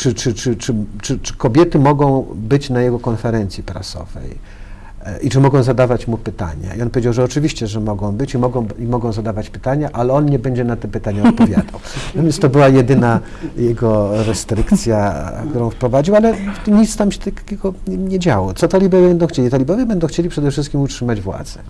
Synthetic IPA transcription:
t͡ʂɘt͡ʂɘt͡ʂɘt͡ʂɘt͡ʂɘt͡ʂɘ̥kɔbʲjɛt̪ɘmɔɡɔ̃w̃bɘt͡ɕnajɛɡɔkɔnfɛɾɛnt̪sʲipɾa̰sɔ̰v̥ɛ̰j | it͡ʂɘmɔɡɔ̃w̃zad̪avat͡ɕmupɘt̪a̰ɲa̰iɔnpɔvʲed͡ʑawʐɛɔt͡ʂɘvʲiɕt͡ɕɛʐɛmɔɡɔ̃w̃bɘt͡ɕimɔɡɔ̃w̃imɔɡɔ̃w̃zad̪avat͡ɕpɘ̥t̪aɲaʔalɛɔnɲɛbɛɲd͡ʑɛnat̪ɛpɘt̪aɲaɔt̪̚pɔvʲja̰d̪awnat̪ɔmjast̪ɔbɘwajɛd̪ɘna | jɛɡɔɾɛst̪ɾɘkt̪sʲja̰kt̪uɾɔ̃fpɾɔvad͡ʑiwalɛɲit̪st̪amɕɛt̪akḁkʲɛɡɔɲɛd͡ʑawɔt̪sɔt̪alʲibɛvbɛnd̪ɔ̃w̃xt͡ɕelʲit̪alʲibɛvʲjɛbɛnd̪ɔ̃w̃xt͡ɕelʲipʂɛd̪ɛfʂɘst̪̚kʲimutʂɘmad͡ʑvwa̰d̪zɛ̥

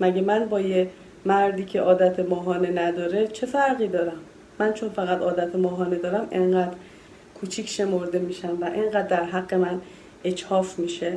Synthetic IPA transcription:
mæɟemænbɒːje | mæɾd̪iːcʰe̞ʔɒːd̪æt̪ʰemɒːɦɒːne̞næd̪ɒːɾe̞t͡ʃʰe̞fæɾɣiːd̪ɒːɾæmː | ænt͡ʃʰo̞nfæɣæd̪ɒːd̪æt̪ʰemɒːɦɒːne̞d̪ɒːɾæmeɴɢæd̪ɾ | kʰut͡ʃʰicʰʃe̞mo̞ɾd̪e̞miːʃæmvæʔeŋɡæd̪ːæɾɦæɡːe̞mæn | et͡ʃhɒːfmiːʃe

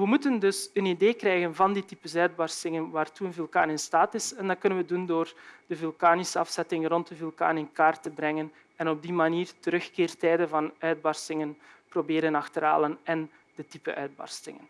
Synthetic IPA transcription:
ʋəmutəndɵsənideːkrɛːjɣənvɑnditi̥pəsœɥd̚bɑrstɪŋənʋaːrtuənvilˠkaːnɪnstaːtɪsɛndɑkɵnənʋədundoːrd̥əvylˠkaːnisəɑfsɛtɪŋrɔntəvylˠka̰ːnɪnkaːrtəbrɛŋən | ɛnɔb̚dimaniːrtəɾɵxkeːrtɛːdəvɑnœɥd̚bɑrstɪŋənprobeːɾənɑxtəɾa̰ːlənɛn | d̥ətipə̰ʔœ̰ɥd̚bɑ̰rstɪ̰ŋə̰n

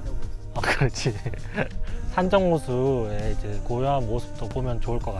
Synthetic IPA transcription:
ʌkɯɾʌt͡ɕʰi | sʰand͡ʑʌŋmosʰue̞id͡ʑe̞kojoɦanmosʰɯ̥p̚t͈obomjʌnt͡ɕoɯɭk͈ʌk͈a

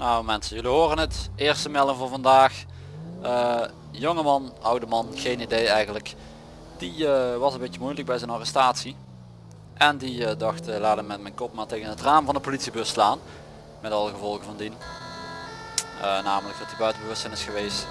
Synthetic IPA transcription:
nowmɛnsənjɵliɦoːrənətɪːɹstəmɛlˠɪŋvʊːɹvɑndaːx | əː | joŋəmɑnʔʌwdəmɑnɣejnidejɛjɣənlək | d̥iəʋɑsənbetjəmujlək̚bɛjzɛjnɑrɛstaːtsi | ʔɛndidɑxtəlaːdəmɛt̚mɛjnkɔp̚maːɹtejɣənɦətraːmvɑndəpolitsibɵslaːn | mɛtɑlˠəɣəvɔlˠɣəvɑndin | ənaːmələk̚dɑtdibœɥtəbəʋɵstsɛjnɪsxəʋejst

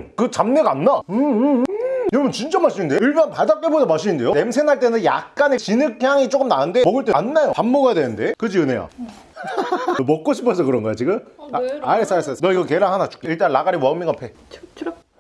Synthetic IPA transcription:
kɯt͡ɕamneɡanːaɯ | jʌbʌnt͡ɕint͡ɕ͈amaɭɕ͈iindeiɭbʌnpadap̚k͈ebodamaɭɕ̬͈iinde̞jone̞msʰenɦaɭt͈enɯnja̰k̚k͈anet͡ɕinɯk̚çaŋit͡ɕ͈ok͈ɯmnanɯndemʌɡɯɭt͈eanːajopamːoɡadwenɯnde̞kɯd͡ʑiɯneja̰ | mʌk̚k͈oɕʰi̥pʰʌsʰʌkɯɾʌŋɡʌjat͡ɕiɡɯmaes͈aesnʌiɡʌkeɾaɦanat͡ɕu̥k͈eiɭt͈anɭlaɡaɾimwʌɯmːiŋapʰe̞t͡ɕʰ

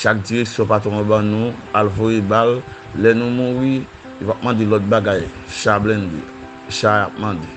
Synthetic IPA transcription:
ʃak̚diʁeksjɔ̃pat̪ɔ̃bãnũalvojebalː | ɛnũmũʁi | opap̚mãd̪elɔt̪̚baɡaj | ʃablɛ̃ndḛ | ʃaap̚mãde

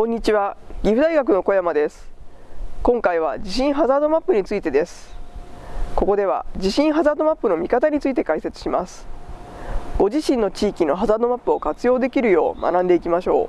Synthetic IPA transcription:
kõɲ̟ːit͡ɕiβaɡʲiɸɯ̟d̪aiɡak̬ɯ̟no̞ko̞jamad̪e̞sɨ̥ | kõ̞ŋkaiβ̞ad͡ʑiɕĩɰ̃ɦazaːd̪o̞mapːɯ̟ɲ̟it͡sɨit̪e̞d̪e̞sɨ̥ | ko̞ko̞d̪e̞β̞a̰d͡ʑiɕĩɰ̃ɦazaːd̪o̞mapːɯ̟no̞mʲikat̪aɲ̟it͡sɨit̪e̞kaise̞t͡sɨ̥ɕimasɨ̥ | ɡ̥o̞ʑiɕĩnːo̞t͡ɕiːkʲino̞ɦazaːd̪o̞mapːɯ̟o̞kat͡sɨjo̞ːd̪e̞kʲiɾɯ̟jo̞ːmʔa̰nãnd̪e̞ikʲimaɕo̞̰ː

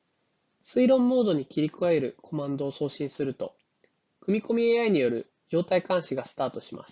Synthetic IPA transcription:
t͡sɨiɾõ̞mːo̞ːd̪o̞ɲ̟ikʲiɾʲikɯaeɾɯ̟kʰo̞mãnd̪o̞ːso̞ːɕĩɰ̃sɨɾɯ̟t̪o̞ | kɯ̟mʲiko̞mʲieaiɲ̟ijo̞ɾɯ̟̰ | d͡ʑo̞ːt̪aikãɰ̃ɕiɡasɨ̥t̪aːt̪o̞ɕimʔa̰sɨ̥

